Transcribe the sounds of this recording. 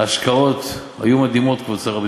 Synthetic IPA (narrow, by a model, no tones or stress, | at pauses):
aʃkao̞t̪ | ha̰jumad̪imo̞t̪kvat͡saʁab